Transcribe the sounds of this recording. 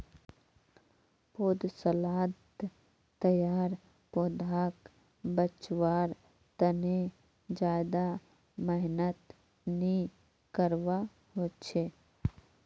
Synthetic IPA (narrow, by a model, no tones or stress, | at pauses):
poːd̪səlaːd̪ | t̪ːəjaːɾ | poːd̪aːk | bət͡ʃwaːɾ | t̪əne | d͡ʒaːd̪a | məɦnət̪ | ni | kəɾwa | ɦoːt͡ʃʰeː